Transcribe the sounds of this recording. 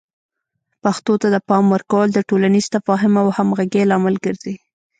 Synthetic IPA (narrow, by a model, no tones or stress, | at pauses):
paxt̪ot̪ad̪əpɑmwəɾkawəld̪əʈolaniz̥t̪afɑɦɪmawhamɣaɡelɑmɪlɡəɾzi